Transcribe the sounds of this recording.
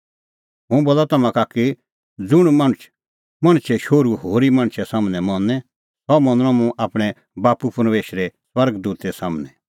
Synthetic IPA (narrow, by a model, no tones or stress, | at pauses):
mũboːlat̪ɐmãkaki | d͡zʊɽ̃mɐ̃ɽ̃t͡ʃʰ | mɐ̃ɽ̃t͡ʃʰɛʃoːɾuhoːɾimɐ̃ɽ̃t͡ʃʰɛsaːmnɛ̃mɔ̃nɛ̃ | sɔmɐ̃nʊɽ̃ɔ̃mũʔaːpɽ̃ɛ | baːpupɾmeːʃɾɛswɐɾɡd̪uːt̪ɛsaːmnɛ